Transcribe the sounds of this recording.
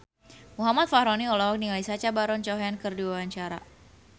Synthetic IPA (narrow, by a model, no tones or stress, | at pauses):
muɦamat̪̚fahɾɔniɔlawak̚nilajsat͡ʃabaɾɔnt͡ʃɔɦaankɨrdiwawaɲt͡ʃaɾa̰